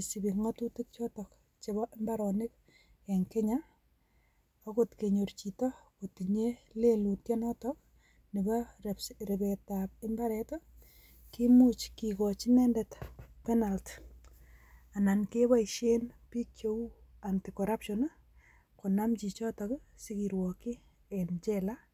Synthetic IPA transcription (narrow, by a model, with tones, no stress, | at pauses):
si˨bi˨ŋɔtu˦tɪ˦k̚t͡ʃɔ˦tɔk | t͡ʃebɔmba˦ɾɔnɪ˦k̚ | e˨ŋke˦ɲa | o˦kotke˨ɲo˨rt͡ʃitɔ˦kotiɲele˦lu˨tjɛ˦nɔ˦tɔk̚ | ni˨bɔrebɛtap̚ɪmba˦ɾɛtɔ | ki˦mu˦t͡ʃkikɔt͡ʃi˦nɛ˦ndɛtpɛna˨lt | a˨na˨nke˦wa˦iʃe˦npi˦kjo˦u˦a˨nti˨kɔɾapʃɔn | ko˨namt͡ʃi˨t͡ʃɔ˦tɔksiki˨ɾwɔki˦ | ent͡ʃɛ˦la˦